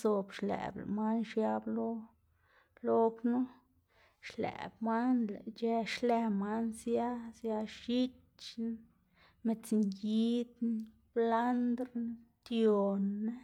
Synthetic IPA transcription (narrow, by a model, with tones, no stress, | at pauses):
zo˨bʃlæ̰˨bl̰ma˦nʃja˧blo˦ | lo˦knu˦ | ʃlḛ˨bma˦nle˨t͡ʃe˧ʃle˧ma˦nsja˦sja˧ʃi˦t | t͡ʃ | me˧t͡snji˦d̪ | b̥la˦nd̪ɾt̪jo˨nːe˦